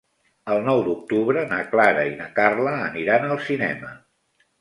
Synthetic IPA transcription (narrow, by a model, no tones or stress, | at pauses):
əlˠnɔwd̪uk̚t̪uβɾənaklaɾəinəkarləːniɾanəlˠsinɛ̰mə